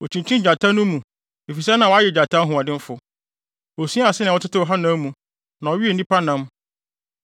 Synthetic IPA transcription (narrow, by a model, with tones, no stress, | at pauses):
o˨t͡ɕʰĩ˨ɲt͡ɕʰĩ˦˨d͡ʑa˨tʰã˦nʊ̃˦mːũ˨ | e˨fi˨sa˦nã˨wa˦jɛ˨d͡ʑa˨tʰã˦ɦʊ̃˨a˨dɪ̃˦m˦fʊ˨ | wo˨sĩ˦a˨sɪ˦nɪ̃˨wɔ˦tʰɪ˦tʰɪ˦wɔ˨ɦa˦nã˦mũ˨ | nã˨ɔ˨ɥi˦e˨nĩ˦pʰa˦nã˦m